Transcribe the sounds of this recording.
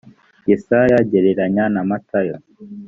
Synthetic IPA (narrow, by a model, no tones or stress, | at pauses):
jesajaɟeɾeɾaɲanamatʰajo